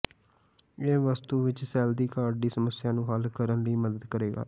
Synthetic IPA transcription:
eːʋəst̪uːʋɪt͡ʃsɛːld̪iːkaːɾɖiːsəməsɪjãːnũːɦalkəɾənɾiːməd̪əd̪kəɾeːɡa̰ː

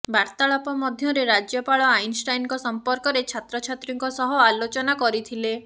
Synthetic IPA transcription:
baɾt̪aɭɔpɔmɔd̪ʱjɔɾeɾad͡ʒjɔpaɭɔajnsʈajnkɔsɔmpɔɾkɔɾet͡ʃʰat̪ɾɔt͡ʃʰat̪ɾiŋkɔsɔɦɔalot͡ʃɔnakɔɾit̪ʰile

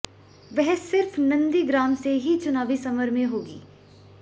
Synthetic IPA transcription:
ʋɛɦsɪɾfnɐ̃nd̪iɡɾaːmseɦit͡ʃʊnaːʋisɐməɾmẽɦoːɡḭː

